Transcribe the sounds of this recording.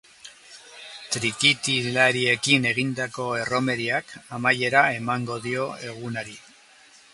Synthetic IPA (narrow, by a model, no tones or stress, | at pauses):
t̪ɾikit̪ilaɾie̞kine̞ɣind̪ako̞e̞ro̞me̞ɾiakamaje̞ɾae̞maŋɡo̞ðio̞e̞ɣunaɾi